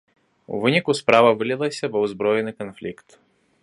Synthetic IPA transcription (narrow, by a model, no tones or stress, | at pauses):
ṵvɨnʲikuspɾavɐvɨlʲɪlˠɐsʲɐbɔwzbɾɔjɛnɨkɔnflʲikt̪